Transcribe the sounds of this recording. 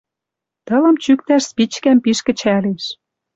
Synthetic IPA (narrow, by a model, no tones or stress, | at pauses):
t̪ɤ̆lɤ̆mt͡ɕyk̚t̪æʃspit͡ɕkæmpiʃkɘ̆t͡ɕæleʃ